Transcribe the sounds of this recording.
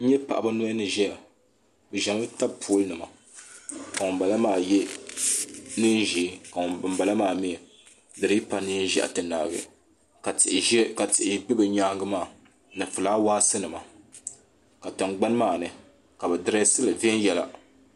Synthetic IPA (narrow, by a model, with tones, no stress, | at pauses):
n̩˦ɲɛ˦pa̰˨ʔa˨ba˦no˦nɨ˨ʒɛ˦a˨ | bɨ˨ʒa˨mɨ˦ta˦bpʰu˦lnɨ˨ma˨ | ka˨ŋʊ˨ba˨la˦maː˦˨jɛ˦ | nɨ˦n˦ʒiː˨˦ka˨ŋʊ˨bɨ˨mba˨la˦maː˦˨mi˦ɛ˨ | dɨ˨ɾɨ˦pa˦nɨ˦n˦ʒɛ̰˦˨ʔa̰˨tɨ˨na̰ː˨ɡɨ̰˨ | ka˨tɪ˨ʔɪ˨ʒɛ˦ka˨tɪ˨ʔɪ˨bɨ˦bɨ˨ɲaː˦ɡɨ˦maː˦˨ | nɨ˨fɨ˨laː˦waː˦sɨ˦nɨ˨ma˨ | ka˨tɨ˨ŋɡ͡ba˦n˦maː˦˨nɨ˨ | ka˨bɛ˨dɨ˦ɾa˦sɨ˦lɨ˨vn˦jɛ˦la̰˦